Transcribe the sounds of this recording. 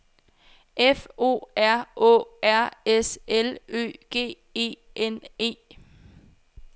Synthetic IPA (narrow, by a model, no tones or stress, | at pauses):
ʔefo̝̰ːæɐ̰ɔ̰æɐ̰eselø̰ːɡ̥e̝̰ː | e̝̰ːʔene̝̰ː